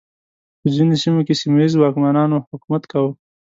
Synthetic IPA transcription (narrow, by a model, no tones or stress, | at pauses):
pəzinosimokesimajizwɑkmanɑnohʊkumat̪kawə